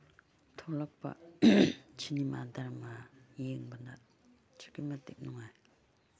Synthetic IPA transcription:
t̪ʰolaχ̚pa̰ | t͡ɕʰinimand̪armajeəŋbənda | t͡ɕʰə̥kəmət̪ek̚noŋaj

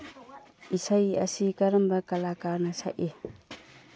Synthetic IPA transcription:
isajɐsikɐɾɐmbɐkɐlakaɾnɐsa̰ʔe

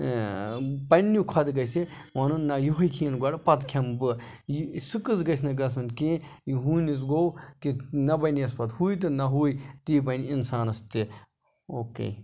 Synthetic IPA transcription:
pɐnːukʰɐd̪ɡɐsiʋɐnunnːɐjuɦɐjkʰiːnɡɐɽpɐt̪kʰɐmbɨjisɨkɨzɡɐsnɐɡɐs̬unkẽjiɦuːnis̬ɡowkinɐbɐniɐspɐt̪huːjt̪̬ɨnɐɦuːit̪iːbɐniinsaːnɐst̪i | oːkḛː

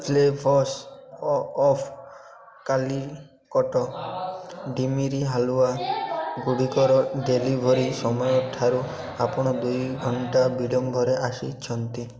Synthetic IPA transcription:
lebʱɔs | ɔpʰ | kali | kɔʈɔ | ɖimiɾiɦaluaɡuɽikɔɾɔɖelibʱɔɾisɔmɔjɔʈʰaɾu | apɔɽ̃ɔd̪ujɡʱɔɳʈabiɖɔmbʱɔɾeʔasit͡ʃʰɔnt̪i

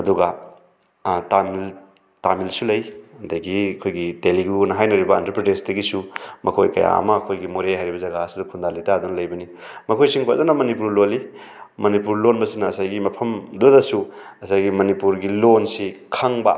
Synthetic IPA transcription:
ɐduɡɐ | tamil | tamilsulɐjɐdɐɡiɐkʰojɡiteliɡunɐɦajnɐɾibɐːntɐɾpɾedesdɐɡisumɐkʰojkɐ̰ja̰ɐ̰mɐːkʰojɡimoɾeɦajɾibɐzɐɡasidɐkʰund̪alitad̪unɐlɐjbɐni | mɐkʰojsiŋkʰwa̰zanɐmɐnipuɾloli | mɐnipuɾlonbɐsinɐːsajɡimɐpʰɐmdudɐsuɐsajɡimɐnipuɾɡilonsikʰɐŋbɐ̰

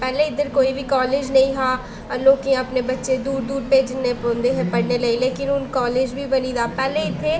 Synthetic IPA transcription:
pɛːlẽːɪd̪əɾkoːiːbiːkɔːleːd͡ʒnəĩːɦãː | loːkiːãːəpneːbətːʃeːd̪uːɾd̪uːɾpeːd͡ʒɪnːeːpõːnd̪eːɦɛpəɽneːləiːleːkɪnʊnkɔːleːd͡ʒbʱiːbəniːd̪aːpɛːleːɪt̪ʰːeː

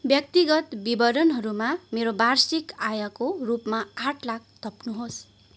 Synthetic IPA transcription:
bjʌk̚t̪iɡʌt̪bibʌɾʌnɦʌɾumameɾobarsikajʌkorupmaaʈʰlak̚t̪ʰʌpnuɦos

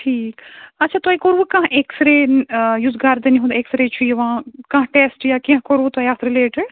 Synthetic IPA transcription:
ʈʰiːkɐtːʃʰaːt̪aːikoɾʋukãɦʔeksɾenjuːzɡaɾd̪ɐniɦũd̪eːksɾet͡ʃʰujeʋãːkãːɦʈeːsʈjakĩɦkoɾʋut̪aːɦiaːt̪ʰɾileːʈɪɖ

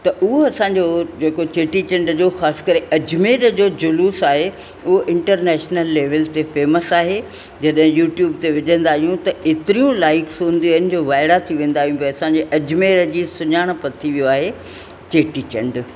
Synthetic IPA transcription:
t̪ɐʔʊɦoɐsãːɲd͡ʑod͡ʑeːkot͡ɕeːʈit͡ɕɐ̃ɳɖd͡ʑoːxaːsɪ̥kɐɾeʔɐd͡ʑmeːɾəd͡ʑoːd͡ʑʊluːsaːɦe | ʊɦoʔɪ̃ɳʈəɾnɛːʃnəlːeːʋəlt̪efeːməsaːɦe | d͡ʑɐɗɦɪ̃juːʈjuːbt̪eʋɪʄə̃nd̪aːɦijũt̪ɐʔet̪ɪɾijũlaːɪksũn̆d̪iaːɪnɪ̆d͡ʑoːʋaːɪɽat̪ʰiʋẽːn̆d̪aːɦijũpːɐsãɲd͡ʑeʔɐd͡ʑmeːɾəd͡ʑisʊɲaːɽ̃̆pɐt̪ʰiʋijoaːɦe | t͡ɕeːʈit͡ɕɐ̃ɳɖ

